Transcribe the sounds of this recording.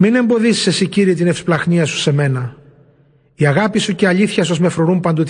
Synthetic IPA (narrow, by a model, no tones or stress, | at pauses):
mine̞mbo̞ðisse̞siciɾiːt̪ine̞fsplɐxniɐsu̥se̞me̞nɐ | iɐɣɐpisuceɐʎiθçɐs̬ozme̞fɾoɾumpɐnd̪ot̪